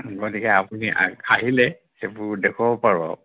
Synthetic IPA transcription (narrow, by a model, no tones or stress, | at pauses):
ɡotikɛapuniʔaɦilɛ | xebʊɹdɛkʰɔbɔpaɹɔ̰